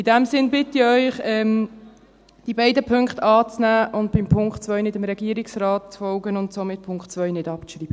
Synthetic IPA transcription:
ɪdɛmsɪnbɪtɪœʏχɛm | d̥ibaɪdəpʰʏŋkχtɑːt͡snæːʔʊndb̥ɪmpʰʊŋkχtt͡sʋœʏnɪtəmɾɛɡ̥iːəɾɪksraːt̚t͡sfɔlɡənʊntsomɪt̚pʰʊŋkχtt͡sʋœʏnɪdɑpt͡sʃriːb̥ə

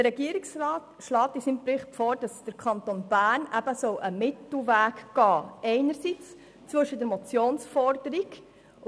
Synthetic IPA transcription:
ərɾɛɡiːəɾɪksɾɑːt | ʃlɑːt̪isimpɾɪχtfoːɾd̥ɑsd̥əɾkʰɑnt̪onb̥æːɾnæb̥əsɔwʔəmɪtl̩væːkːɑːɛɪnəɾsit͡s | t͡sʋɵʃədəɾmɔt͡sjoːnsfɔrd̥əɾiɡ

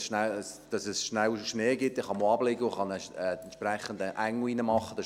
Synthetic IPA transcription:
sʃnæsd̥ɑsɛsʃnæwʃneːɡɪtːɪχɑmoɑblɪɡəʊχɑnɛɛɛnʃpræχːəndəʔæŋːʊinəmɑχːəd̥ɑ

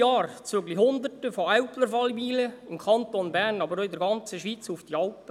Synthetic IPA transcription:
ɑːɾt͡søɡlihʊnd̪ərtəfoæwpləɾfɑlbiːləɪmkʰɑnt̪onbærnɑbəɾoɪdəɾɡɑnt͡səʃʋiːt͡sufd̥iɑlpə

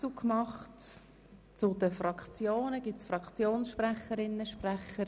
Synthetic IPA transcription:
t͡sukʰmɑχt | t͡sʊdəfrɑkʰt͡sjoːnəɡ̥ɪsfrɑkt͡sjoːnsʃpræχəɾɪnːəʃpræχːəɾ

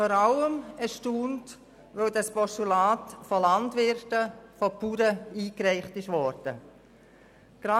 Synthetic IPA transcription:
fɔːɾaləməʃtuːnt | ʋœʊdɑspɔʃtulaːtfɔlɑndʋɪɾtəfɔpuːɾəiːkɾɛɪχtɪʃʋɔɾd̥ə | ɡ̥ɾɑ

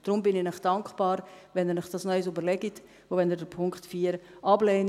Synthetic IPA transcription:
d̥ɾʊmbɪnɪnɪχd̥ɑŋkχb̥ɑːɾvɛnɛnɛχd̥ɑsnœʏs̬ybəɾlɛɡit | voːvɛnɛdɛpʰʊŋktfiːəɾʔɑblɛːn

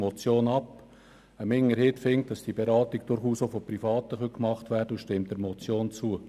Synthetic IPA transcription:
mɔt͡sjoːnɑp | əmɪŋəɾɦɪtfɪŋt̚d̥ɑsd̥ibeɾɑːtiɡ̚d̥ʊɾχuːsofɔprifɑːtəχœkmɑχtværdəuʃtɪmt̚d̥əɾmɔt͡sjoːnt͡suə

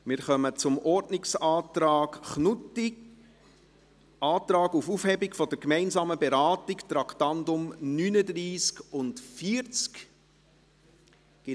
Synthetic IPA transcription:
mɪːɾχœmət͡sʊmʔɔɾdnɪksɑːtɾɑːkχnʊti | ʔɑːt̪ɾɑːɡufufhɛbikfɔdəɾkmɛɪnzɑːməbɛɾɑːtikt̪ɾɑktɑndʊmnyːnədɾiːskʊntfiəɾt͡sk | ɡ̥ɪ

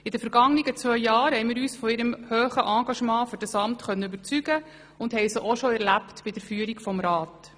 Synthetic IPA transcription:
ɪd̥əfəɾɡ̥ɑŋniɡət͡sʋœʏːɑːɾhɛɪmɪːɾyːsfɔɪɾəmhøːχəʔɑːɡɑʃmɑ̃ːfʏɾd̥əsɑmtχœnːəybəɾt͡syɡ̥ə | ʊndhɛjsəʔɔʃɔɛɾlæptb̥ɪd̥̪əɾfyːəɾikfɔmɾɑːt

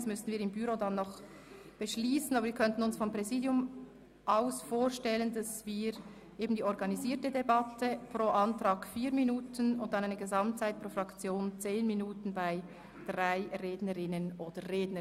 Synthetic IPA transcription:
smʏstn̩viːɾɪmbyɾodɑnːɔχ | b̥əʃliːsən̩ɑːbəɾviːkʰœntən̩ʊnsfɔmpʁ̥ɛziːdjʊm | ʔaʊsfoːʃtɛləndɑsv̥iːɾ | ʔeːbn̩diːɔɾɡɑniziːtədebɑtʰəpʁ̥oːʔɑntʁ̥ɑːkfiːɾminuːtʰənʊnt̚d̥ɑnaɪnəɡəzɑmtt͡saɪt̚pʁoːfʁɑkt͡sjoːnt͡seːnminuːtn̩baɪ | d̥ʁaɪʁeːdnəʁɪnənʔoːd̥əʁeːdnə

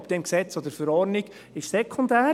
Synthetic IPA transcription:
bd̪̥ɛmksɛt͡sod̪əɾfəɾɔɾniɡ̥ | ɪʃsɛkʰːʊnd̪æː

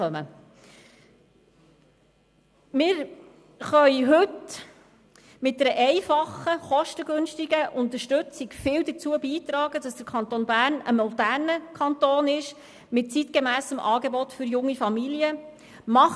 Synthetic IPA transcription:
œmə | mɪːɾ | χœʏɦɵt | mɪt̚dɛɾəʔɛɪfɑχəχɔʃtəɡɵnʃtiɡəʔʊnt̪əʃtʉt͡sɪkfɪːwd̪ət͡suəbiːt̪ɾɑːɡədɑsd̥əɾkʰɑnt̪oːnbæːɾnəmɔd̪æːrnəkʰɑnt̪oːnɪʃ | mɪt̚t͡sit̪kemæːsəmʔɑːɡebɔtfʏɾjʊŋːifɑmiliə | mɑχ

